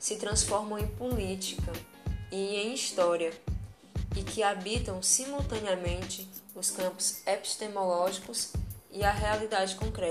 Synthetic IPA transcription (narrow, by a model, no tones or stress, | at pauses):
sɪt̪ɾɐ̃sfɔɾmɐ̃w̃ẽj̃pulit͡ʃikɐ | iẽj̃ist̪ɔɾiɐ | ɪkɪabit̪ɐ̃w̃simuwt̪ɐ̃niɐmẽnt͡ʃɪʊskɐ̃pʊ̥z̥epi̥ʃt̪emɔlɔʒikʊsiɐɦealid̪ad͡ʒɪkõkɾɛ